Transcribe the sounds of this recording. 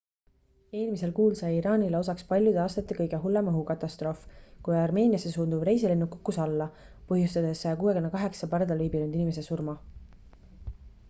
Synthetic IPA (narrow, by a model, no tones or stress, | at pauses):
e̞ːlmise̞lkuːlsɑjiɾɑːnileo̞s̬ɑkspɑlʲjud̪̥eɑst̪ɑt̪ːˑekɤjɡe̞ɦulːe̞mɤɦukɑt̪ˑːɑst̪ro̞fkujɑrme̞ːnʲiɑsesuːnd̪ubre̞jsilenːukːukːusɑlːɑ | pɤɦjust̪ɑd̪̥e̞skuːwekynːekɑɦe̞ksɑpɑrd̪ɑlijbilynd̪inime̞s̬e̞surmɑ